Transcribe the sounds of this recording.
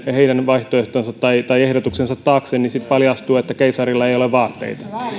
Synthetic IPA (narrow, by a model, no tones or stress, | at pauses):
heidænʋɑiht̪oeht̪onsɑt̪ːɑit̪ɑiehdot̪uksensɑt̪ːɑːksennisit̪pɑljɑst̪uːet̪ːækeisɑrilːɑejoleʋʋɑːt̪ːḛit̪ɑ̥